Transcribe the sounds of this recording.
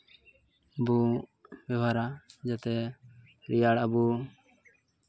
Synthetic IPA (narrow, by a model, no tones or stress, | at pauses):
bubɛbaɾad͡ʒat̪ɛ | ɾijaɽabu